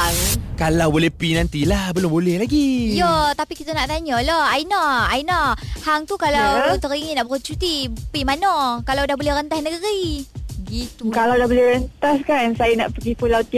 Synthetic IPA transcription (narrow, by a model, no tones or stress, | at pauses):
kalawbolɛhpinant̪ilahbəlʊmbolɛhlaɡijot̪apikit̪ənaʔt̪aɲɔlɔhainaainɔhaŋt̪ukalawt̪əɾiŋinaʔbəɾət͡ʃut̪ipimanɔkalawdahbolɛɾənt̪asnəɡəɾiɡit̪ukalawdahbolɪɾənt̪askansajana̰ʔpəɡifulawt̪i